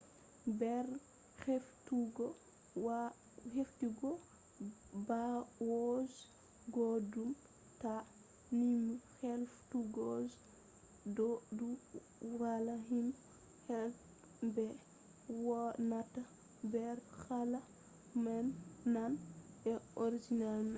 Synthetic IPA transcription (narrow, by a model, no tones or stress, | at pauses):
bɛɾ | xɛftuɡɔ | w | heftiɡɔ | bawɔz | ɡɔdum | ta | nimixɛlftuɡɔz | dɔdu | walaɦin | hɛ | bɛ | wɔnata | bɛɾxala | manːanɛoɾid͡ʒinalmɛ